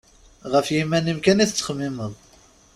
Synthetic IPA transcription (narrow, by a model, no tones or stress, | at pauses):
ʁəfjimːænimkæniθt͡sːə̥χmːiməðˤ